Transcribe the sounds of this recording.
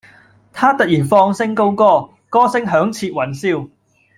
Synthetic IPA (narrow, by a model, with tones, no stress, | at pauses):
t̪ʰaː˥t̪ɐ˨jiː˨˩nfɔː˧ŋsɪ˥ŋko˥wkɔː˥˩ | kɔː˥sɪ˥ŋɦœː˨˥ŋt͡sʰiː˧t̚wɐ˨˩nsiː˥w